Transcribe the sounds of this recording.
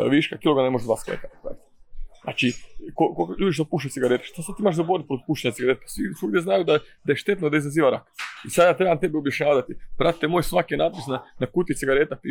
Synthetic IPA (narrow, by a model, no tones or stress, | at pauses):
ʋiʃkakiːloɡanemoʒd̪ʋa̰ːsklḛkat̪pɾa̰it̪na̰ːt͡ʃikokoʎuːd̪iʃ̬t̪opuːʃt͡ʃaet̪siɡaɾet̪e̥ʃt̪osad̪t̪imaʒzaboɾ̚pɾot̪̚puːʃt͡ʃeɲat̪siɡaɾet̪sisuɡd̪jeznajud̪ad̪ajeʃt̪e̞t̪nod̪aizaziːʋaɾa̰kisad̪jaːt̪ɾebamt̪e̞beobjaʃɲaːd̪at̪ipɾat̪i̥t̪emoːjsʋakijenaːt̪̚pisnanakut̪it̪siɡaɾet̪at̪i